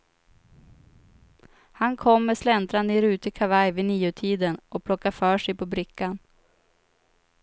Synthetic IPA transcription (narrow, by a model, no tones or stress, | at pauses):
hankʰɔmːɛslɛnt̪ɾand̪ɪɾʉ̟ːt̪əkʰavajvɪniːʊt̪ʰiːd̪ənʔɔpʰlɔkːafœːʂɛjpʰɔbɾɪkːan